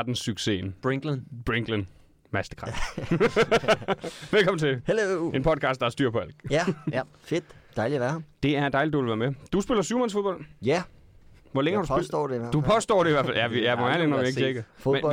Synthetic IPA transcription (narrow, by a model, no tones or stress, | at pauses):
ɐd̥n̩syɡ̥se̝̰nb̥eŋɡ̥lenb̥ʁeŋɡ̥lən | mæsd̥ə̥kʰʁɑf | ʋelkʰɒ̽mn̩t͡sʰe̝hele̝npʰɒ̽d̥̚kʰɑ̈sd̥ɑæɐsd̥yɐ̰pʰɒ̽æl̰ɡ̥̚ | fed̥d̥ɑ̈ɪliɐʋæɐɑmd̥e̝æɐend̥ɑ̈ɪlid̥uʋelʋæɐmed̥usb̥e̝lɐsyʊmænsfo̝ðˠb̥ɒ̽l̰jæ | ʋɒleŋəhɑ̈dussdɔ̰ded̥upʰɒ̽sd̥ɒ̰ːɾ̥e̝iʋæɐfæljæʋijæʋɒædenɒʋieɡ̥t͡ʃʰeɡ̥ɐfom